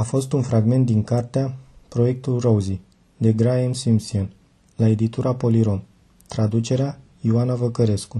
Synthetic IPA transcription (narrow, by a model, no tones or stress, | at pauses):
afo̞st̪unfɾaɡme̞nt̪̚d̪iŋkart̪eapɾo̞je̞k̚t̪ulrowzi | d̪e̞ɡɾajamsimsian | lae̞d̪it̪uɾapo̞liɾo̞m | t̪ɾad̪ut͡ʃe̞ɾea | iuanavəkəɾe̞sku